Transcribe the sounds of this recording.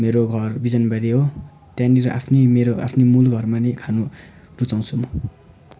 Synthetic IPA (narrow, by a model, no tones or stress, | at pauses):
meɾoɡʱʌrbid͡zʌnbaɾiɦo | t̪jãniɾʌʔapʰnimeɾoʔa̰pʰnimulɡʱʌrmanekʰanu | rut͡saw̃t͡sʰum